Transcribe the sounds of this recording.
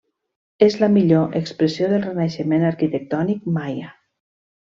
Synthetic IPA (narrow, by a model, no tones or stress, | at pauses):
ezləmiʎoʔekspɾəsioðəlˠrenaʃəmenəɾkit̪ək̚t̪ɔnik̚maja